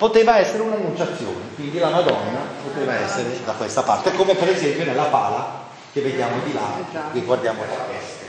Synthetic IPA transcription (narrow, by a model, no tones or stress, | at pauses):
pot̪eːvaɛsːeɾeunanːunt͡ʃat̪sːjo̰ːnekwind̪ilamad̪ɔnːapot̪eːvaɛsːeɾed̪akwest̪apa̰rt̪ekoːmepeɾezɛmpjonelːapaːla | k̟evːed̪jaːmod̪ilakiɡward̪jaːmot̪apɛst̪e